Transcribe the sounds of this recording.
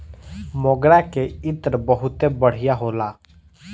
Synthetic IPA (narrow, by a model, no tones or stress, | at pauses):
moɡɾakeɪt̪ɾbəɦʊt̪ebəɽ̤ɪjaɦoːlaː